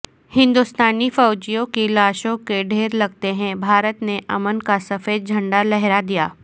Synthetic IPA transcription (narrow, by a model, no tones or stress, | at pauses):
hɪ̃nd̪ust̪aːnifɔːd͡ʒijõkilaːʃõkeɖʱeːɾlɐɡ̚t̪eɦɛ̃bʱaːɾət̪neʔɐmənkasɐfeːd̪̚d͡ʒʱɐ̃ɳɖalɛɦɾad̪ijaː